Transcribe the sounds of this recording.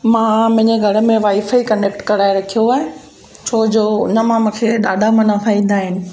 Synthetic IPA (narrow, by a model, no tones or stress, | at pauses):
mãːmʊ̃ɦɪ̃ɲd͡ʑeɡʱɐɽə̆mẽʋaːifəikɐ̃ɳɖekʈkɐɾaːeɾɐkʰijoaːɦɪ̃ | t͡ɕʰoːd͡ʑoːnɐmãmũːkʰeɗaːɖʱamɐnafʰaːĩːnd̪aːɦɪnɪ̆